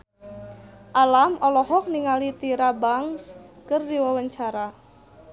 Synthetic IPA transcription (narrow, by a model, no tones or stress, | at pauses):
ʔalamʔɔlɔhɔk̚niŋalit̪iɾabaŋskərdiwawəɲt͡ʃaɾa